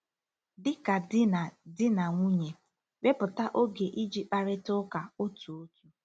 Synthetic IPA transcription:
dɪ˦ka˨dɪ˦na˨dɪ˦na˨ŋʷu˦ɲe˨ | be˦pʊ˨ta˦ʔo˦ɡe˨ʔi˦d͡ʒi˦˨k͡pa˨ɾɪ˦tʊ˦ka˨o˦tu˨o˦tu˦

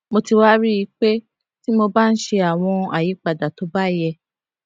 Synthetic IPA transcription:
mo˧ti˧wa˦ɾi˦i˧˦k͡pe˦ | ti˦mo˧ba˦n̩˦ʃe˧a˨w̃ɔ̃˧a̰˨ji˨˦k͡pa˨da˨to˨˦ba˦jɛ˧

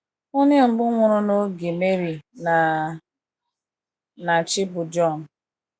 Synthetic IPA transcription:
o˦ɲɪ˦ŋ͡m̩˨ɡ͡bʊ˦ŋʷʊ˦ɾʊ˦no˦ɡe˨me˦ɾi˨na˨ | na˨t͡ʃɪ˦bʊ˨d͡ʒɔ˦˨n˨

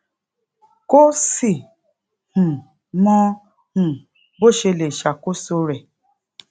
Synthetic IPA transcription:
ko˦si˨ | hũ˨ | mɔ̃˦ | hũ˨ | bo˦˨ʃe˧le˨ʃa˨ko˦so˧ɾɛ˨

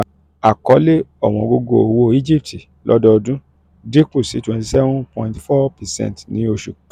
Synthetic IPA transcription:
a˨kɔ˨˦le˦ɔ˦˨w̃ɔ̃˨ɡo˧ɡo̰˦˨o˨wo˦i˦d͡ʒi˦p̚ti˨ | lʔɔ̰˦dɔ˦˧dũ˦ | di˦k͡pu˦˨si˨˦twɛ̃˧˨ti˧sɛ˦vũ˦pɔ̃˧ĩ˦tfɔ˦pɛ˨sɛ̰̃˦˨tnĩ˨˦o˧ʃu˨

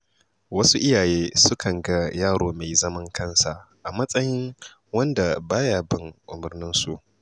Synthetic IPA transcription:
wɐ˦su˦ʔɪ˦jaː˨jeː˦sʊ˦kʰɐ˨ŋɡa˦jaː˦˨ɽoː˨ma˨jzɐ˦mɐ˦ŋkʰɐ˦˨nsa˨ | ʔa˨mɐ˦sʼɐ˦jɪ˦ŋ | wɐ˦nda˨baː˦jaː˨bɪ˦ŋʔʊ˨mʊ˨rnɪ˦nsu˦ʔ

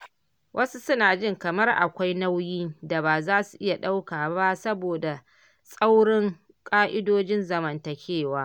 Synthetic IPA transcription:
wʔɐ˦su˦sʊ˦naː˨d͡ʒɪ˦˨ŋkɐ˨mɐ˦rʔa̰˨kʷa˦jna˦wjiː˦da˨baː˨zaː˦su˨ʔɪ˦ja˨ɗa˦wkaː˨ba˦sɐ˦boː˨da˨ | sʼa˦wɽɪ˦ŋ | kʼaː˦ʔɪ˦doː˦d͡ʒɪ˦nzɐ˦mɐ˦˨nta˨kʲʰeː˦˨waː˦

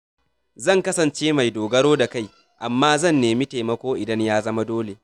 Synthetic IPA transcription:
zɐ˦˨ŋkɐ˦sɐ˨nt͡ʃeː˦ma˨jdoː˨ɡɐ˦ɾoː˦da˨ka˦˨j | ʔa˨mːaː˦zɐ˦˨nːeː˨mi˦te˨mɐ˦kʷoː˦ʔɪ˨dɐ˦ɲjaː˦zɐ˦ma˦doː˦le˨

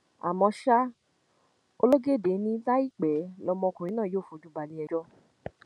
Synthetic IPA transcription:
a̰˨mɔ̃˧ʃa˦ | o˧lo˦ɡe˦˨de˨˦nĩ˧˦la˦i˦˨k͡pɛ˨˦lɔ˧mɔ̃˧kũ˨ĩ˨˦nãː˦˨joː˦˨fo˧˨d͡ʒu˦ba˧nĩ˧˦ɛ˧d͡ʒɔ˦

